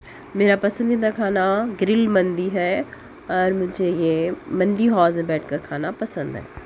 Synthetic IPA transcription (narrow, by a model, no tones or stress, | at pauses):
meːɾapɐsə̃nd̪ĩnakʰaːnaɡɾɪlmɐ̃nd̪iɦɛ | ɐɾmʊ̃d͡ʑeiẽmɐ̃nd̪iɦɔːzẽbɛːʈʰkɐɾkʰaːnapɐsə̃nd̪ɦɛ̰ː